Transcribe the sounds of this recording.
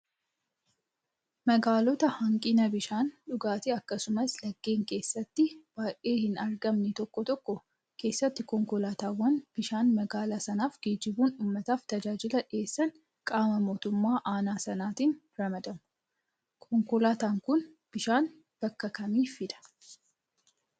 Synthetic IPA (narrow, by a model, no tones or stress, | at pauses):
mɐɡaːlɔt̪ɐhɐŋkʼɪnɐbɪʃaːnᶑʊɡaːt̪ɪɐkːɐsʊmɐslɐɡːe̞ːŋke̞ːsːɐt̪ːɪb̥aːʔeːhɪnɐɾɡɐmnɛt̪ɔkːɔt̪ɔkːɔ | kʰe̞ːsːɐt̪ːɪkɔŋkʊlaːt̪aːwːɐnb̥ɪʃaːnmɐɡaːlaːsɐnaːfɡ̥eːd͡ʒɪbuːnuːmːɐt̪aːft̪ɐd͡ʒaːd͡ʒɪlɐᶑe̞ːsːɐn | kʼaːmɐmo̞ːt̪ʊmːaːʔaːnaːsɐnaːt̪iːn | ɾɐmɐd̪ɐmʊ | kʰɔŋkʊlaːt̪aːŋkʊn | b̥ɪʃaːn | b̥ɐkːɐkɐmiːfɪᶑ̪ɐ̥